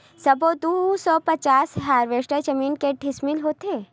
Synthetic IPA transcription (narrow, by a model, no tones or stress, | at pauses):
sɐbod̪usɔpɐt͡ʃaːsɦaːɾʋesʈəd͡ʒɐmiːnkeʈɪsmɪlɦoːt̪eː